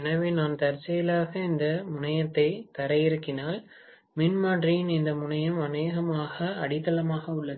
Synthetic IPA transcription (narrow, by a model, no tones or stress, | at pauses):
ɛnɐʋeːnaːnt̪ɐɾt͡ʃːɐjɪlaːɣɐɪnd̪ɐmʊnɐjɐt̪ːɐɪt̪ɐɾɐjɪɾɯkːɪnaːl | mɪnmaːʈrijnɪnd̪ɐmʊɳɐjɐmɐneːɣɐmaːɣɐɐɽɪt̪ːɐlɐmaːɣɐʊɭːɐ